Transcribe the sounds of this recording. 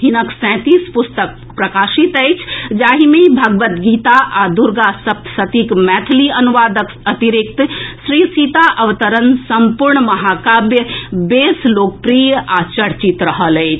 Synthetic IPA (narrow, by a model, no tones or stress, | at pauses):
ɦinəksɛ̃t̪ispust̪ək̚ | pɾəkasit̪əɪt͡ʃʰd͡ʒaɦimebʱəɡʋət̪ɡit̪aʔad̪uɾɡasəp̚t̪ʰsət̪ikmɛt̪ʰliənuʋad̪ək | ət̪iɾik̚t̪sɾisit̪aʔəʋət̪əɾənsəmpuɾɳməɦakabjəbeslok̚pɾijat͡ʃəɽt͡ʃit̪ɾəɦələɪt͡ʃʰ